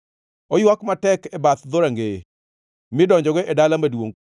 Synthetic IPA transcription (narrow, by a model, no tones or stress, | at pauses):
ojwakmatɛkɛbat̪d̪oɾaŋɡe | mɪdɔɲd͡ʒɔɡeʔedalamadwo̰ŋ